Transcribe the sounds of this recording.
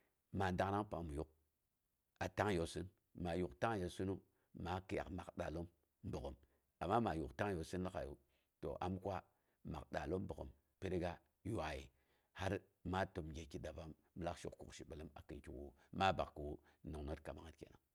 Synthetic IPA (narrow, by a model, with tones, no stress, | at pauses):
ma˨n˦da˦ŋ˦na˦ŋpa˨mu˨ju˦k̚ | a˨ta˦ŋ˦jo˨sɨ˦n | ma˨ju˨kta˦ŋ˦jo˨su˦nu˦ | ma˨˦ki˨ja̰˨kma˨kɗa˨lo˦m˦ | bu˨ko˨m | a˨mːa˦ma˨ju˨kta˦ŋ˦jo˨sɨ˦nla˦ka˨jṵ˦ | to̰˨ʔa̰˨˦mkwa˦ | ma˨ɗa̰˨lo˦mbə˨ko̰˨m | pe˦ɾɡa˦ | ju˦a˨jḭ˨ | ha˦ɾ | ma˦to˨mɡʲe˨ki˨da˨ba˦mː˦la˦kʃṵ˨kkṵ˨kʃi˨ɓə˨lə˦ma̰˨kɨ˨nki˨wu˦ma˦ba˨kkə˨wu˦no˨ŋno˦tka˨ma˦ŋa˦tkḛ˨na˦ŋ